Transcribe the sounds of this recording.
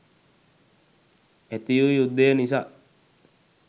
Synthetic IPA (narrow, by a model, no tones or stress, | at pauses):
et̪ijujud̪ːenisa